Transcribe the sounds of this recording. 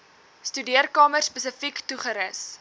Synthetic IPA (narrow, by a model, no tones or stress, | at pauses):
stydiərkɑːmərspəsəfiktuχəɾəs